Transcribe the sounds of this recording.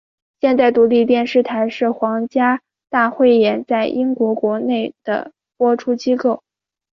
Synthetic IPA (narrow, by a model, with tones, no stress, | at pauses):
ɕjɛ˥˧nt̪a˥˩ɪt̪u˧˥li˥˧t̪jɛ˥˧nʂɻ̩˥˩t̪ʰa˧˥ɪʂɻ̩˥˩xwɑ˧˥ŋt͡ɕja˥ | t̪a˥˧xwe˥˩ɪjɛ˧˥nt͡sa˥˩ɪʔi˥ŋkwɔ˧˥kwɔ˧˥ne˥˩ɪd̪̥ə̰˩ | pwɔ˥ʈ͡ʂʰu˥t͡ɕi˥ko˥˩ʊ